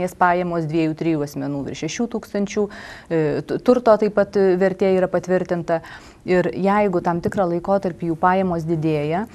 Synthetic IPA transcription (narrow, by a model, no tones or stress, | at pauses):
eːspɑːjeːmoːsd̪ʲʋʲiɛjuːt̪ʲɾʲɪjuːɐsʲmʲɛnuːʋʲɪ̰ɾʃʲɛʃʲuːt̪uːkst̪ɐnʲt͡ʃʲuː | t̪ʊɾt̪oːt̪ɐɪpɐt̪ʋʲɛɾʲt̪ʲeːiːɾɐpɐt̪ʲʋʲɪɾʲt̪ʲɪnt̪ɐ | ɪɾjɛɪɡʊt̪ɐmt̪ʲɪkɾɑːlˠɐɪkoːt̪ɐɾʲpʲiːjuːpɑːjeːmoːs̬d̪ʲɪd̪ʲeːjɛ